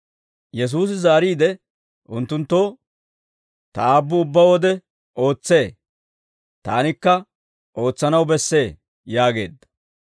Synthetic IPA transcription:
jɛs̬uːs̬ɪzaːɾiːd̪ɛ | ʔʊnt̪ːʊnt̪ːoː | t̪ɐaːbːʊʊbːɐwɔd̪ɛ | ʔo̞ːt͡sːe̞ː | t̪a̰ːnɪkːɐ | ʔo̞ːt͡sːɐnɐwbɛsːe̞ː | jaːɡe̞ːd̪ːɐ̥

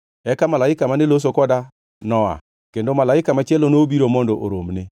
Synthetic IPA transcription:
ɛkamalaɪkamanelos̬okɔda | nɔa̰ | kendomalaɪkamat͡ʃɛlonobiɾomɔndoʔoɾomne

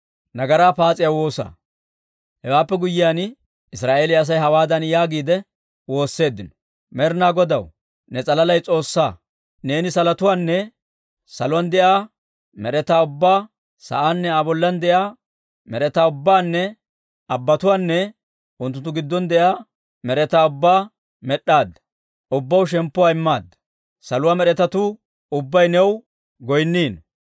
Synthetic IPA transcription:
nɐɡɐɾaːpaːt͡sʼɪjawo̞ːsa̰ː | hɛwaːpːɛɡʊjɪjaːn | ɪsɾaːʔe̞ːlɪɐs̬ɐjɦɐwaːd̪ɐnjaːɡiːd̪ɛ | wo̞ːsːe̞ːd̪ːɪnɔ̥ | mɛɾnaːɡɔd̪ɐw | nɛt͡sʼɐlɐlɐjt͡sʼo̞ːsːa̰ː | ne̞ːnɪsɐlɐt̪ʊwaːnːɛ | sɐlʊwɐnd̪ɛʔaː | mɛɾɛt̪aːʊbːaː | sɐ̰ʔaːnːɛaːbɔlːɐnd̪ɛjaː | mɛɾɛt̪aːʊbːaːnːɛ | ɐbːɐt̪ʊwaːnːɛ | ʊnt̪̬ːʊnt̪ːʊɡɪd̪ːɔnd̪ɛjaː | mɛɾɛt̪aːʊbːaː | mɛɗːaːd̪ːɐ̥ | ʊbːɐwʃ̬ɛmpːʊwaːɪmːaːd̪ːɐ̥ | sɐlʊwaːmɛɾɛt̪ɐt̪ʊ | ʊbːɐjnɛw | ɡɔjnːiːn

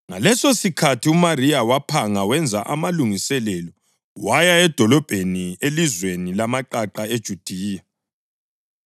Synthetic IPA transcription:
ŋa̰lɛsosikʰatʰiumarijawapʰaŋawɛnd͡zʱaʔa̰maluŋisɛlɛlɔ | wajaɛd̥ʱɔlɔb̥ʱenielizwenilamaǃaǃaed̥ʒ̥ʱud̥ʱiːja

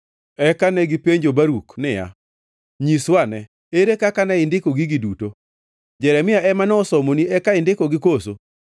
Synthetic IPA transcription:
ɛkanɛɡipeɲd͡ʒobaɾuknɪja̰ | ɲiswanɛ | eɾekakanɛɪndɪkoɡiɡiduto | d͡ʒɛɾɛmɪaʔɛmanɔɔsɔmoniɛkaɪndɪkɔɡɪkoso

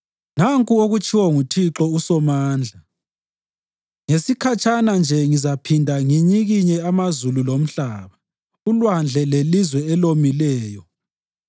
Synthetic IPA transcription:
naŋkʼuoɣut͡ʃʰʼiwɔŋutʰiǁɔusɔmaːnd͡ɮʱa | ŋesikʰat͡ʃʼanand͡ʒʱɛŋizapʰindʱaŋiɲiɣiɲɛamazululom̩ɬaːβa | ulwand͡ɮʱɛlelizwɛɛlomilɛːjɔ

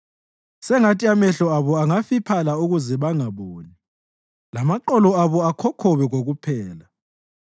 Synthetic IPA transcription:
sɛŋatʰʼiamɛɬɔaβɔaŋafipʰalauɣuzɛβaŋaβoːni | lamaǃɔlɔaβɔakʰɔkʰɔβɛɣoɣupʰɛːla

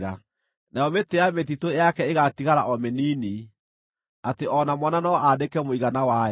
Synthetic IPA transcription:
ɾa | najɔmeteamet̬itojakɛeɣatiɣaɾaʔɔmeniːni | ateʔɔnamɔnanɔʔadekɛmoiɣanawa

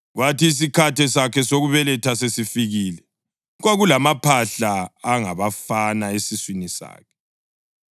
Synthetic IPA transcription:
ɣwatiːs̬ikʰatɛsakʰɛsoɣuβɛlɛtʰasesifiɣilɛ | ɣwaɣulamapʰaɬaːŋa̰βafanaesiswinisa̰ːkʰɛ̥

